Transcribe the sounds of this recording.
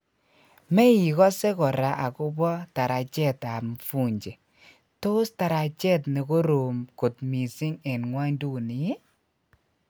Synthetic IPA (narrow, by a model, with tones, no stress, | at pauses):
me˦i˨kɔ˦se˦kɔ˨ɾa˨ʔa˨kɔ˦bɔ˦ta˨ɾa˨t͡ʃɛ˦˨ta˨mfu˦ɲd͡ʒe˨ | to˦sta˨ɾa˨t͡ʃɛ˦tne˨ko˦ɾo˨mko˨tmi˨si˦ŋe˨nŋwa˦ɲdu˦˨ni˨e˦